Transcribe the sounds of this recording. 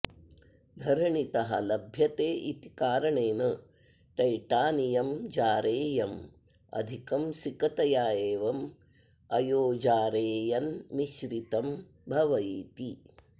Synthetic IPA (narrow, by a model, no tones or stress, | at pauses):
d̪ʱɐɾɐɳit̪ɐɦɐ̰lɐbʱjɐt̪eːʔit̪ikaːɾɐɳeːnɐ | ʈɐjʈaːnijɐmd͡ʒaːɾeːjɐm | ɐ̰d̪ʱikɐmsikɐt̪ɐjaːjeːʋɐm | ɐjoːd͡ʒaːɾeːjɐnmiʃɾit̪ɐm | bʱɐʋɐjiːt̪i